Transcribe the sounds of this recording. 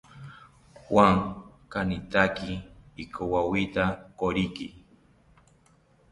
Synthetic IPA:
hwaŋkanit̪akiːkʰowawit̪akoɾiki

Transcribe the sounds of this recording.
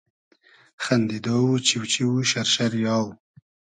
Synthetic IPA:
xand̪id̪owut͡ʃiwt͡ʃiwuʃaɾʃaɾjɑːw

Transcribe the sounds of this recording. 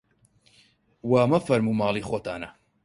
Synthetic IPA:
waːmɐfɐɾmuːmɑːlˠiːxoːt̪a̰ːnɐ

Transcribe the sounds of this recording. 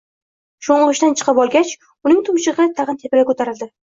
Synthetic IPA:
ʃoɴʁɨʃt̪ant͡ʃʰɨ̥qʰɨpɒlˠɡʲat͡ʃ | ʊnɪŋt̪ʰʊmʃɪʁɨt̪ʰɑʁɨnt̪ʰepɪɾakʰɵt̪ʰaɾɪld̪ɪ

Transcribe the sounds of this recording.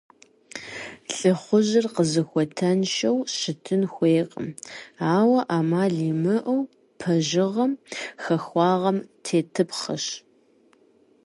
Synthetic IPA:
ɬʼɨχʷʊʑɪrqəzɨxʷɔtʰɐnʃɐwʃɪtʰɨnxʷeːqʼə̰maːwɐʔaːmaːɮiːmɨʔɐw | pʰɐʒɪʁɐmxɐxʷɑːʁɐmtʰeːtʰɨpχɐʃ

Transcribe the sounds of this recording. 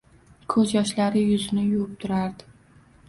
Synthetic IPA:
kʰɵzjɒʃlaɾɪjʊzɪnɪjʊʊp̚t̪ʰʊɾaɾd̪ɪ

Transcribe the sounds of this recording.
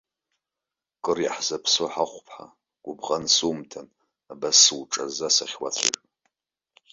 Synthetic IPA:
kʼɨrjaħzapʰsoħaχʷpʰħa̰ | ɡ̥ʷʊbʁansumtʰan | abasːɨwʈ͡ʂʼazasaχʲwat͡sʷʰa̰ʒ

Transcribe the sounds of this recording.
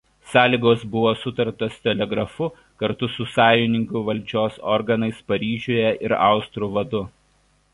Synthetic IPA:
sɑːlʲiːɡoːsbʊʋoːsʊt̪ɐɾt̪oːst̪ʲɛlʲɛɡɾɐfʊ | kɐɾt̪ʊsʊsɑːjʊnʲɪŋʲkuːˑʋɐlʲˑd͡ʒʲoːsɔ̰ɾɡɐnɐɪspɐɾʲiːʒʲoːjɛʔɪɾɑ̰ˑʊst̪ɾuːʋɐd̪ʊ

